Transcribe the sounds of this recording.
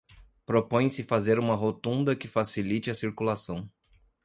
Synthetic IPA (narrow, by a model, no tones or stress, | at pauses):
pɾopõj̃sɪfazeɾũmɐɦot̪ũnd̪ɐkɪfasilit͡ʃɪɐsiɾkulasɐ̃w̃